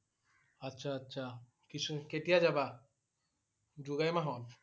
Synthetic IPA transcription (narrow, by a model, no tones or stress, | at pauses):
ɐtːʃʰaɐtːʃʰa | kit͡ʃʰukeʈijad͡ʒaba | d͡ʒuɡajmaɦɔl